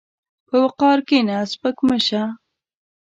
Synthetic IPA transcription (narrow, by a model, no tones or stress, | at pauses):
pəwəqɑːɾkenaspəkməʃa